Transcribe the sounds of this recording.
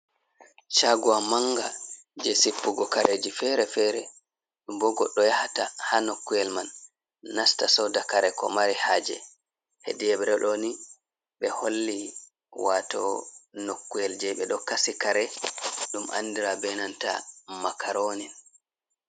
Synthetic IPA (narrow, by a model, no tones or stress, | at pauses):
t͡ʃaɡuwamaŋɡa | d͡ʒɛsipːuɡɔkaɾʔed͡ʒifɛɾɛfɛɾɛ | ɗumbɔɡɔɗːɔjahatahanokːujɛlmanː | astasɔdakaɾɛkɔ̰maɾihaːd͡ʒɛ̰ | hɛ̰diɛɓɛɾɛɗoni | ɓɛholːi | watɔnokːujɛld͡ʒɛɓɛɗɔkasikaɾɛɗuma̰nːdiɾabɛnanta̰makaɾoːnin